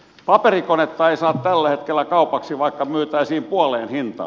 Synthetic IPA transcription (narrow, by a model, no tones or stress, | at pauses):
pɑperikonet̪ːɑeisɑːt̪t̪ælːæhet̪kelːækɑupɑksiʋɑikːɑmyøt̪æisiːmpuɑleːnhint̪ɑ̰ː